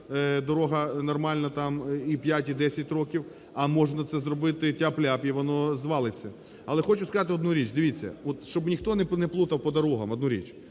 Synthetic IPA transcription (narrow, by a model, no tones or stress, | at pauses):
d̪ɔɾɔɦɐnɔrmɑlʲnɐt̪ɑmipʲjatʲid̪ɛsʲɐt̚ʲrɔkʲiw | ɐmɔʒnɐt̪sɛzrɔbɪt̪ɪtʲaplʲapʲjiʋɔnɔzʋɑlˠɪt͡sʲːɐ | ɐlˠɛxɔt͡ʃʊskɐzɑt̪ɪɔd̪nuɾʲit͡ʃd̪ɪʋʲit͡sʲːɐ̰ɔt̪ʃt͡ʃɔbnʲixt̪ɔnɛnɛplˠut̪ɐwpɔd̪ɐɾɔɦɐmɔd̪nuɾʲḭt͡ʃ